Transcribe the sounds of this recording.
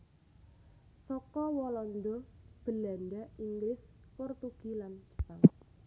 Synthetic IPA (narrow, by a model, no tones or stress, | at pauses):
sɔkɔwɔlɔnd̪ɔb̥ə̤la̤nɖaʔiŋɡlɪs | pɔrt̪uɡ̥iland͡ʒə̥paŋ